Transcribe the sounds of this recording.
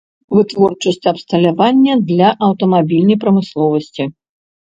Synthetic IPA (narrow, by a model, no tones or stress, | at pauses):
vɨt̪vɔrt͡ʂɐsʲt͡sʲɐpst̪ɐlʲavanʲːɐd̪lʲɐʔɐwt̪ɐmabʲilʲnɐjpɾɐmɨslˠɔvɐsʲt͡sʲi